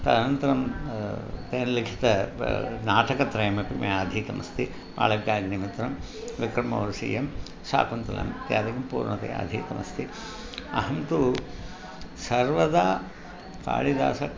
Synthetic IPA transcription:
t̪ɐnɐnt̪ɐɾɐm | t̪eːnlikʰi̥t̪ɐnaːʈɐkɐt̪ɾɐjɐmɐpimɐaːd̪ʱiːt̪ɐmɐst̪i | pa̰ːlɐɡːaːɡnimit̪ɾɐm | ʋikɾɐmɐ̰ʋɾɐsḭːjɐm | sa̰ːkunt̪ɐlɐ̰mt̪jaːd̪ɐɡɐmpṵːɾnɐt̪ḛa̰ːd̪ʱiːt̪ɐmɐst̪ʰi | ɐ̰ɦɐmt̪u | sɐɾʋɐd̪aː | ka̰ːɭid̪a̰ːsɐ

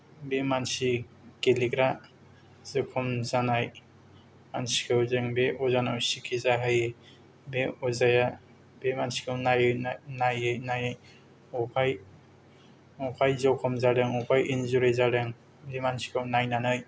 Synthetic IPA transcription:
bemansi | keliɡɾa | z̥ɯkʰɔmzanaj | mansi̥kʰɯwzɯŋbeʔɔzanawsikʰizaɦaje | beɔzaja | bemansi̥kʰɯwnajɯnajɯjnajaj | ɔpʰaj | ɔpʰajzɔwkʰɔmzaɾɯŋɔpʰajinzuɾezaɾɯŋ | bemansi̥kʰɯwnajnanɯj

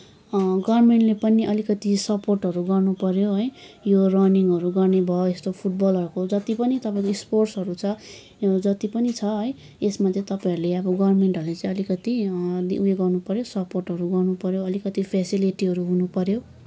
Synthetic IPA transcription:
ɡʌrmeɳʈlepʌniʔʌlikʌt̪isʌporʈɦʌɾuɡʌrnupʌɾjoɦʌjjorʌniŋʌɾuɡʌrnebʱʌest̪opʰuʈ̚bʌlɦʌɾukod͡zʌt̪ipʌnit̪ʌpãĩkoisporʈsɦʌɾut͡sʰʌ | d͡zʌt̪ipʌnit͡sʰʌɦʌj | esmad͡zʱẽt̪ʌpãĩʌɾuleʌbʌɡʌrrmeɳʈɦʌɾulet͡sãĩʌlikʌt̪id̪iueɡʌrnupʌɾjosʌporʈɦʌɾuɡʌrnupʌɾjoʌlikʌt̪ipʰasiliʈiɦʌɾuɦunupʌɾjo

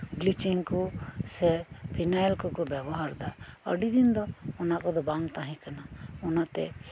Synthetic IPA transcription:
blit͡ʃiŋkusɛpʰinajlkokobɛbɔɦaɾd̪aə̰ɖid̪ind̪ɔʊnakɔd̪ɔbãŋɡt̪ãɦĩkənaʊnat̪ɛ̰

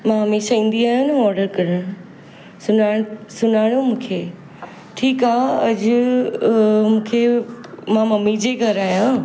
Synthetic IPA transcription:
mãɦɐmeːʃaĩːn̆d̪iaːjãnɐɔːɾɖəɾkɐɾəɽ̃ | sʊnãsʊnaːɪɽ̃jomũːkʰeː | ʈʰiːkaːɐd͡ʑʊ | mũːkʰemãmɐmid͡ʑeːɡʱɐɾaːjã

